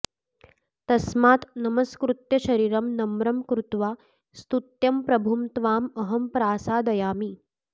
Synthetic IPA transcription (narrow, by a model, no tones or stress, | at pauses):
t̪ɐsmaːt̪nɐmɐskɾut̪jɐɕɐɾiːɾɐmnɐmɾɐmkɾut̪ʋaː | st̪ut̪jɐmpɾɐbʱumt̪ʋaːmɐɦɐmpɾaːsaːd̪ɐjaːmiː